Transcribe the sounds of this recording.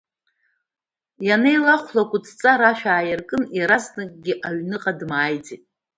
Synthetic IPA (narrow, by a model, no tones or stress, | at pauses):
janejlaχʷlakʷʼʊt͡sʰt͡sʼaɾaʃᶣaːjɪrkʼɨniɾaznɨkʼɡʲɪʔaɥnɨqʼadmaːjd͡zitʼ